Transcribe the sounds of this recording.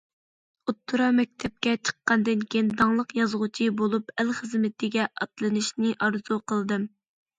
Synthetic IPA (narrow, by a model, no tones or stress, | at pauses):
ut̪ʰːuɾɑmɛk̚ʲt̪ʰɛp̚kʲɛt͡ʃʰə̥qːɑnd̪ɨnkʲʰejind̪ɑŋlˠəqjɑzʁut͡ʃʰibolˠupælχəzmɪt̪ʰɪɡʲɛʔɑt̪lˠɨnɨʃnɨʔɑɾzuqʰəlˠd̪ɨm